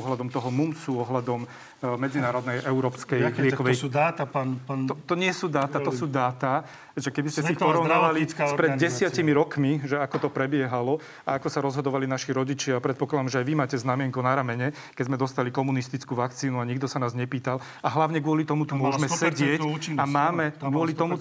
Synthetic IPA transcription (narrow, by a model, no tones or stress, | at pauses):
ɔɦlad̪ɔmt̪ɔɦɔmumsuɔɦlad̪ɔm | mɛd͡zinaːɾɔd̪nɛjʔɛuɾɔːpskɛjlɪɛkɔʋɛjd̪aːt̪aaɔt̪ɔɲɪɛsuːd̪aːt̪aɔsuːd̪aːt̪a | ɛʒɛkɛbiscɛsipɔɾɔʊnaʋalispɾɛdd̪ɟɛsɪacimiɾɔkmiʒɛakɔt̪ɔpɾɛbɪɛɦalɔ | aakɔsaɾɔzɦɔd̪ɔʋalinaʃiɾɔɟit͡ʃɪaapɾɛt̪pɔklad̪amʒɛajʋimaːcɛznamɪɛŋkunaɾamɛɲɛ | kɛɟzmɛd̪ɔst̪alikɔmunist̪it͡skuːʋakt͡siːnuaɲiɡ̚d̪ɔsanaːzɲɛpiːt̪al | aɦlaʊɲɛɡʊɔlit̪ɔmut̪umʊɔʒmɛsɛɟɪɛcːinamaːmɛɡɡʊɔlit̪ɔmu